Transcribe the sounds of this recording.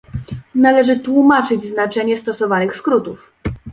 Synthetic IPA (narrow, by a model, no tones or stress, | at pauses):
nalɛʐɘt̪wumat͡ʂɘd͡ʑznat͡ʂɛɲɛst̪ɔsɔvanɘxskɾut̪uf